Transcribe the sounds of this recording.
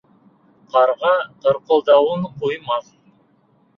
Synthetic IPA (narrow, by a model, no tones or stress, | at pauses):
qʰɑɾʁɑqə̆ɾqolˠd̪ɑwəɴqʰojmɑq